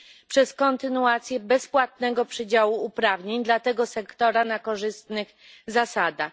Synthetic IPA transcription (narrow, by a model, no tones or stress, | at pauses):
pʂɛskɔnt̪ɘnuat̪sʲjɛbɛspwat̪̚nɛɡɔpʂɘd͡ʑawuːpɾavɲeɲd̪lat̪ɛɡɔsɛkt̪ɔɾanakɔʐɘst̪nɘɣ | zasad̪ax